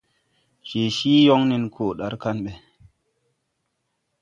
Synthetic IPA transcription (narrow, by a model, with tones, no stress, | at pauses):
t͡ʃe˨ʃiː˦jɔ˦ŋni˨nkʰoː˨ɗa˨ɾka˦nɓɛ˨